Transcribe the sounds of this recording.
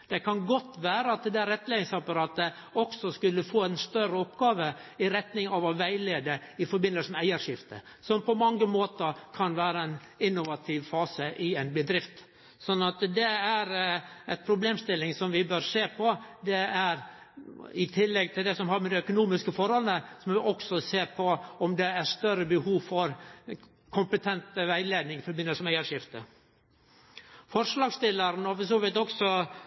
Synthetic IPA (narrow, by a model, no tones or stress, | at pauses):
d̪̥ɛkʰɑnɡɔt̪ːʋæːɾəɑt̪̚d̪æɾɛt̪ːleːɪŋsɑpɑɾɑːt̪ə | ɔksɔskʉlːəfoːæɪnst̪œrəɔpɡɑːʋəɪɾɛt̪nɪŋɑʋɔʋæɪleːd̪əɪfɔɾbɪnəlsəmɛæɪəɾʂɪft̪ə̰ | sɔmpʰɔmɑŋːəmoːt̪əɾkʰɑnʋæːɾəæɪn | ɪnːʊʋɑt̪ʰɪʋfɑːsəʔɪæɪnbəd̪ɾɪft̪ | sɔnːɑt̪d̪ɛæɾæt̪pʰɾʊbleːmst̪ɪlːɪŋsɔmʋɪbøːɾseːpʰɔd̪ɛæɾ | ɪt̪ʰɪlːɛɡ̚t̪ʰɪld̪ɛsɔmhɑɾmɛd̪ɛœkʊnuːmɪskəfɔɾhɔlənəsɔmʋɪʔɔksɔseːpʰɔɔmd̪ɛæɾʂt̪œɾəbəhuːʋfɔɾ | kʰʊmpət̪ʰɛnt̪əʋæɪleːd̪nɪŋfɔɾbɪnːəsɔmæɪəɾʂɪft̪ə | fɔɾʂlɑːɡst̪ɪləɾnɔfɔsuːʋɪt̪ɔksɔ